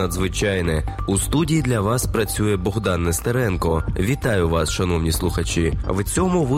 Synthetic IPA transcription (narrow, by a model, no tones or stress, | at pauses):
ɐd̪zʋɪt͡ʃɑjnɛust̪udʲijid̪lʲɐʋɑspɾɐt͡sʲujɛbɔɦd̪ɑnːest̪eɾɛnkɔʋʲit̪ɑjʊʋɑsʃɐnɔwnʲislˠʊxɐt͡ʃiʋt͡sʲɔmʊʋ